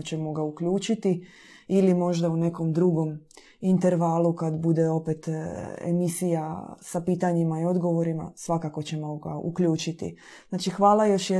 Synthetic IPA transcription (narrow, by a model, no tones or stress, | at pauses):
t͡ɕe̞moɡaukʎuːt͡ʃit̪i | ilimo̞ʒd̪aune̞ko̞md̪ɾuɡo̞m | int̪e̞ɾʋaːlˠukad̪bud̪e̞o̞pet̪ḛmisijasapiːt̪aɲimaio̞d̪ɡo̞ʋo̞ɾima̰sʋakako̞t͡ɕe̞moɡa̰ṵkʎuːt͡ʃit̪ḭ | znaːt͡ʃixʋaːlajo̞ʃje